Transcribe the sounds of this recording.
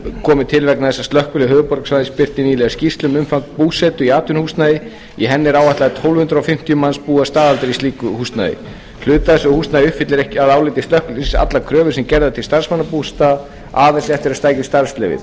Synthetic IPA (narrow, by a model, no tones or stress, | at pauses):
kʰɔːmɪt̪ʰɪlvɛknaθɛsːast̪lœhkʏlɪɦœːvʏpɔɾksvajðɪspɪr̥t̪ɪnilɛscist̪lʏmʏmfaŋkpuːsɛt̪ʏiaːt̪ʏnhust̪najɪ | iɦɛnːɪɾaːwaht̪laðɪt̪ʰowlhʏnt̪ɾawfɪm̥t̪ijʏmanspuːast̪aːðalt̪ɪɾisiːkʏhust̪na̰jɪ̰ | l̥ʏːt̪aðɛsʏhust̪najɪʏhpfɪt̪lɪɾɛhcɪaðaːwlɪt̪ɪst̪lœhkʏlsa̰t̪lakʰɾœːvʏɾsɛmcɛɾðat̪ʰɪlst̪arsmanːapuːst̪a | aːvɛsɛft̪ɪɾaðst̪aːjcɪst̪aɾ̥st̪lɛvɪ̰ð